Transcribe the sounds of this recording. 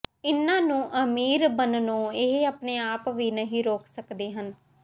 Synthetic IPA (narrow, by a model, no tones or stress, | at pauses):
ɪnːãːnũːʔəmiːɾbənnõːɪɦəpneːaːpʋiːnəɦiːɾoːksəkd̪eːɦən